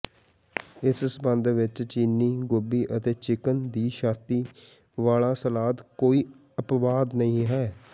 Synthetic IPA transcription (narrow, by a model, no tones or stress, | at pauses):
ɪssbənd̪ʋɪt͡ʃt͡ʃiːnːiːɡʊbiːʔət̪eːt͡ʃɪkənd̪iːʃaːt̪iː | ʋaːlãːsəlaːd̪koːiː | əpʋaːd̪nəĩːɦɛː